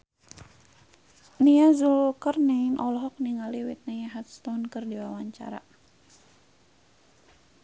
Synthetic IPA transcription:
niazulkərninʔɔlɔɦɔk̚niŋaliwit̪̚najaɦat̪̚st̪ɔnkɨrdiwawaɲt͡ʃa̰ɾa̰

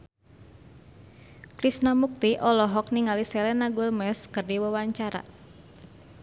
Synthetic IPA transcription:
kɾisnamuk̚t̪iʔɔlɔɦɔk̚niŋalisɛlɛnaɡulmɛskɨrdiwəwaɲt͡ʃaɾa̰

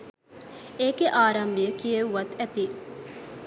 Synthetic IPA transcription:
eːɡeʔaːɾɐmbiəkieuʋɐt̪ɛt̪i

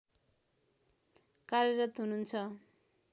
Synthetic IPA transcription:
kaɾeɾʌt̪ɦununt͡sʰʌ

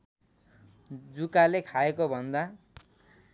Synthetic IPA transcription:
d͡zukalekʰaekobʱʌnd̪a

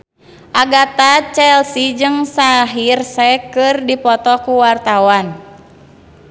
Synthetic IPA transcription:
ʔaɡat̪at͡ʃɛlsid͡ʒɨŋsaɦirsɛkɨrdipɔt̪ɔkuwart̪awan

